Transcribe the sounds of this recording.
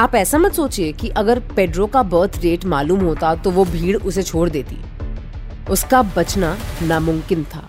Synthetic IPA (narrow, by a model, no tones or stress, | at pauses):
aːpɛːsamɐt̪soːt͡ʃiekiʔɐɡəɾpeːɖɾõkabəːɾt̪ʰɾeːʈmaːluːmɦoːt̪at̪oʋobʱiːɽʊset͡ʃʰoːɽd̪eːt̪ḭː | ʊskabɐt͡ʃnanamʊ̃mkɪnt̪ʰa̰ː